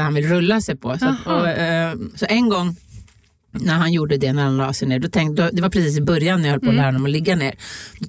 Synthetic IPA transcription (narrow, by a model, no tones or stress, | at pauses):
hanvɪlɾɵlːasɛjpʰɔsaɔ | sɔʔɛnɡɔŋː | næɾɦanjuːɖəd̪ɛnæɾhanlɑ̰ːsɛjneːɖ̪ɔt̪ʰɛŋd̪ɔd̪ɛvaɾpʰɾɛsiːs̬ɪbœɾjanːæɾjahɔləpʰoːlæːɾad̪ɔmɔlɪɡːaneːɾd̪